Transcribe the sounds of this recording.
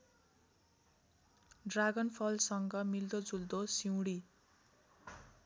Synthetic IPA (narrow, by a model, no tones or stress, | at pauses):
ɖraɡʌnpʰʌlsʌŋɡʌmild̪od͡zuld̪osiwɽi